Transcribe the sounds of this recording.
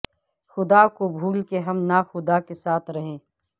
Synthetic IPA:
xʊd̪akobʱuːlkeɦɐmnaxʊd̪akesaːt̪ʰɾɐɦẽː

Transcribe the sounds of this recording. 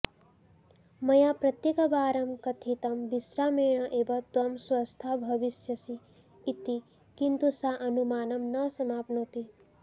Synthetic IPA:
mɐjaːpɾɐt̪jekɐbaːɾɐmkɐt̪ʰit̪ɐmbisɾaːmeːɳ̃ɐʔebɐt̪ʋɐmswɐst̪ʰabʱɐʋisjɐsiː | t̪i | kint̪usaʔɐnumaːnɐmnɐsɐmaːpnoːt̪i

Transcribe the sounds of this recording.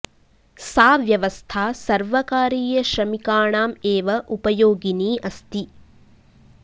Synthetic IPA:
saːʋjɐʋɐst̪ʰaːsɐɾʋɐkaːɾiːjɐʃɾɐmikaːɳaːmeːʋɐʔupɐjoːɡiniːʔɐst̪i

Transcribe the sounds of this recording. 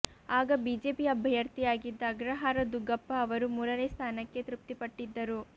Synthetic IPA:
aːɡɐbiːd͡ʒe̞ːpiɐbʱɐjɐɾt̪ijaːɡid̪ːɐːɡɾɐɦaːɾɐd̪uɡɐpːɐːʋɐɾumuːɾɐneːst̪ʰaːnɐkːe̞t̪ɾup̚t̪ipɐʈːid̪ːɐɾu

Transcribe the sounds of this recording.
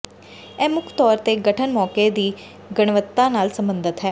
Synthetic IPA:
ɛːmʊkʰt̪ɔːɾt̪eːɡəʈʰənmɔːkeːd̪iː | ɡəɳ̃ʋət̪ːãːnaːlsəmbənd̪ət̪ɦɛː

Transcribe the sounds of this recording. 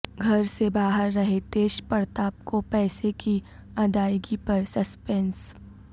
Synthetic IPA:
ɡʱɐɾsebaːɦəɾːɐɦet̪eːʃpɐɾt̪aːp̚kopɛːseki | ɐd̪aːjɡipɐɾsɐspɛns

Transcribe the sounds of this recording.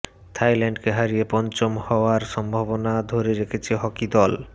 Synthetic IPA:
t̪ʰajlaɳɖkeɦaɾijepɔnt͡ɕomhɔoaɾʃɔmbʱabonad̪ʱoɾeɾekʰet͡ɕʰeɦɔkid̪ɔl

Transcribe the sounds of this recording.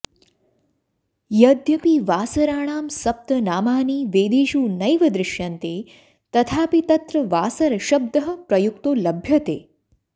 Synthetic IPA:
jɐd̪ʱjɐpiːʋaːsɐɾaːɳ̃aːmsɐp̚t̪ɐnaːmaːniːʋeːd̪eːʃuːnɐjʋɐd̪ɾɪʃjɐnt̪eː | t̪ɐt̪ʰaːpit̪ɐt̪ɾɐʋaːsɐɾʃɐb̚d̪ɐɦɐpɾɐjukt̪oːlɐbʱjɐt̪ḛː

